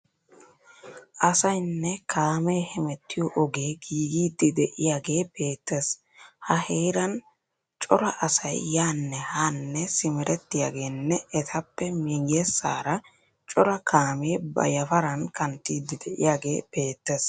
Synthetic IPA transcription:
ʔɐsɐjnːɛkʰaːmeːhɛmɛt̪ːɪjɔʔɔɡeːɡiːɡiːd̪ːɪd̪ɛʔɪjaːɡeːb̥e̞ːt̪ːes | hɐheːɾɐn | t͡ʃʼɔɾɐʔɐsɐjːaːnːɛhanːɛsɪmɛɾʔɛt̪ːɪja̰ːɡe̞ːnːɛɛt̪ʰɐpːɛmiɡɪjɛsːaːɾɐ | t͡ʃʼɔɾɐkʰaːmeːbɐ̰jɐfɐɾɐnkɐnt̪ːiːd̪ːɪd̪ɛʔɪ̰jaːɡe̞ːb̥e̞ːt̪ːes

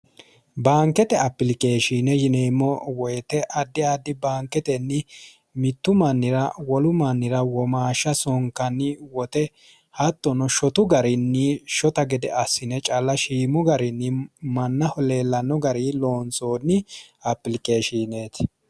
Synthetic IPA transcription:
baːŋkːɛt̪ɛɐpːɪlkʼeːʃiːnɛjɪneːmːɔwɔjɛt̪ɛʔɐd̪ːɪad̪ːɪbaːŋkːɛt̪ɛnːɪ | mɪt̪ːʊmɐnːɪɾɐwɔlʊmɐnːɪɾɐwɔmaːʃɐsɔŋkɐnːɪwɔt̪ɛ | hɐt̪ːɔnɔʃɔt̪ʊɡɐɾɪnːɪʃɔt̪ɐɡɛd̪ɛɐsːɪnɛt͡ʃʼɐlːɐʃiːmʊɡɐɾɪnːɪmɐnːɐhɔle̞ːlːɐnːɔɡɐɾiloːnt͡sʼoːnːɪɐpːɪlkʼeːʃiːneːt̪

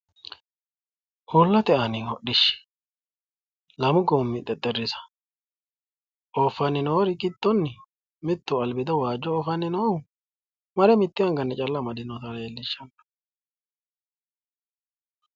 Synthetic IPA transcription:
holːɐt̪ɛɐnɪɔɗɪʃɛ̥ | lɐmʊɡoːmːɪt̪ʼɛt̪ʼːɛrːɪsɐ̥ | ʔɔːfːɐnːɪnɔɔɾɪkɪt̪ːɔnːɪ | mɪt̪ːʊɐlbɪd̪ɐwaːd͡ʒːɔːfɐnːɪnɔ | mɐɾɛmɪt̪ːɪɐŋɡɐnːɛt͡ʃʼɐlːɐmɐd̪ɪnɔt̪ɐɾɐelːɪʃːɐn

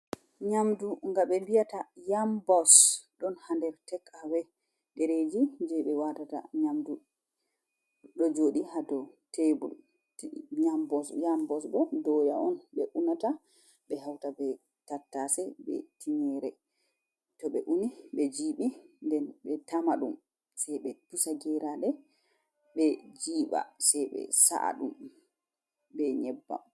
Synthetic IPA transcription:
ɲamduŋɡaɓɛmbijatajambɔsɗɔnhandɛɾtɛkʰːabɛ | ɗɛɾed͡ʒid͡ʒɛɓɛwatata̰ɲamdu | ɗɔd͡ʒoɗihadɔtebṵl | ɲambɔsjambɔsbɛdɔja̰ɔnɓɛʔunata | ɓɛɦawtabɛ | tatːasɛbɛ̰tʰiɲɛɾɛ | tɔɓɛʔuniɓɛd͡ʒiːɓindɛnɓɛtamaɗum | sɛjɓɛpusaɡɛɾaɗɛ | ɓɛd͡ʒiːɓa̰sɛjɓɛ̰sa̰ʔa̰ɗum | bɛɲɛbːa̰

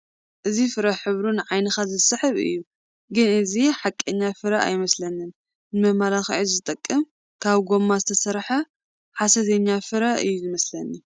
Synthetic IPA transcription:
ʔɨzifɨɾɐħɨβɾunʕajnɨxazɨsɨħɨβɨ̰jːu | ɡɨnɨziħakʼːɐɲːafɨɾaʔa̰jmɐslɐnɨn | nɨmɐmalaxʕizzɨt̪ʼɐkʼːɨm | kʰaβɡo̞mːazɨt̪ʰɐsɐɾħɐ | ħasɐt̪ʰɐɲːafɨɾaɨ̰jːuzɨmɐslɐnːi

